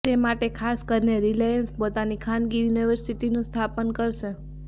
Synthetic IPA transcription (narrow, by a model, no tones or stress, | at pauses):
emaʈekʰaskəɾneɾilajənspot̪anikʰanɡijuniʋəɾsiʈinũst̪ʰapənkəɾʃe